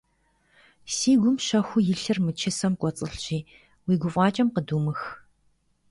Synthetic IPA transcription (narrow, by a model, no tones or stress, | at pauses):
siːɡʷʊmʃɐxʷʊjɪɬɨrmɨt͡ʃʰɪsɐmkʷʼɔt͡sʼɨɬɕiː | wiːɡʷʊfʼɑːt͡ʃʼɐmqəduːmɨx